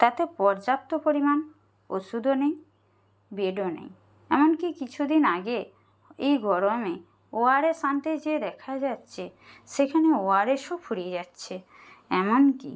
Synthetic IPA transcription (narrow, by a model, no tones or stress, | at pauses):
t̪at̪epɔɾd͡ʑap̚t̪opoɾiman | o̰ʃud̪onej | beɖonḛj | ɛmonkikit͡ɕʰud̪inaɡe | ejɡʱɔɾome | oaɾesant̪ed͡ʑed̪ɛkʰad͡ʑatːɕʰeʃekʰaneoaɾeʃopfʰuɽied͡ʑatːɕʰe | ɛmonkḭ